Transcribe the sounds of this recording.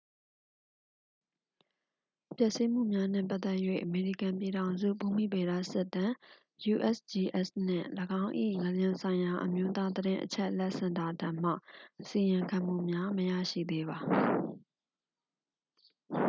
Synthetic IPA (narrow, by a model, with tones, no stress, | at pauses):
pjɛ˦ʔsi˦m̥ṵ˦˨mja˦n̥ɪ̰̃˦˨mpa˦t̪ɛ˦ʔjwḛ˦˨ʔəme˨ɹḭ˦˨kã˨mp̬i˨ɾã˨ʊ̃nzṵ˦˨bu˦˨mḭ˦˨be˨ɾa̰˦˨sɪ˦ʔt̪ã˨ | ju˨ʔɛ˦˨sdi˨ʔɛ˦sn̥ɪ̰̃˦˨ləɡã˦ʊ̃ʔḭ˦˨ŋə˨ljɪ̃˨nsʰã˨ɪ̃ja˨ʔəmjo˦t̪a˦d̪əɾɪ̃˦ʔət͡ɕʰɛ˦ʔlɛ˦ʔsã˨nda˨dã˨m̥ä̰˦˨ʔəsi˨jɪ̃˨ŋkʰã˨m̥ṵ˦˨mja˦məja̰˦˨ʃḭ˦˨d̪e˦βa˨